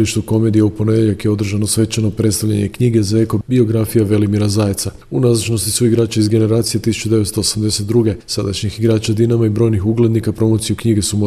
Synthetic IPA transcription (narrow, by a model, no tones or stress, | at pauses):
liʃt̪uko̞med̪ijaupo̞ned̪eʎakjeo̞d̪r̩ʒanosʋe̞t͡ʃeno̞pɾet̪t̪aʋʎaɲe̞kɲiːɡezae̞ko̞bio̞ɡɾafijaʋe̞limiɾazaːjet̪sa | unazat͡ʃno̞st̪isuiɡɾaːt͡ɕaizɡe̞ne̞ɾaːt̪sijet̪isu̥t͡ʃud̪e̞ʋe̞t̪st̪oosamd̪e̞set̪̚d̪ɾuɡe̞sad̪a̰ʃɲixiɡɾaːt͡ʃad̪inamaibɾo̞ːjnixuɡle̞d̪nikapɾo̞mot̪sijukɲiɡesumo